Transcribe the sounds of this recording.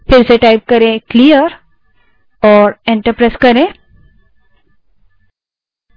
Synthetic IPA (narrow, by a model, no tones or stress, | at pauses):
fɪɾseʈajp̚kəɾẽkliəɾ | ɔːɾẽɳʈəɾpɾeskəɾẽ